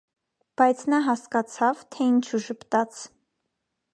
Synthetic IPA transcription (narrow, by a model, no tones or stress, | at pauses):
b̥ɑjt͡sʰnɑɦɑskɑt͡sʰɑvt̪ʰɛint͡ʃʰuʒəpt̪ɑt͡sʰ